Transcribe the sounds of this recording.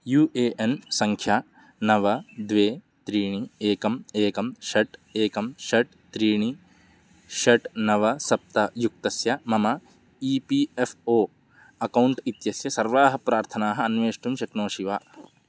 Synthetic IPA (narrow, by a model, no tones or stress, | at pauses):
juːʔeːʔensɐŋkʰjaː | nɐʋɐd̪ʋeː | t̪ɾiːɳieːkɐmeːkɐmʃɐʈeːkɐmʃɐʈ̚ | t̪ɾiːɳ̃i | ʃɐʈnɐʋɐsɐp̚t̪ɐjuk̚t̪ɐsjɐmɐmɐ | iːpiefʰoː | ɐkɐwɳʈit̪jɐsjɐsɐɾʋaːɦɐpɾaːɾt̪ʰɐnaːɦɐɐnʋeːʂʈumʃɐknoːʃiʋaː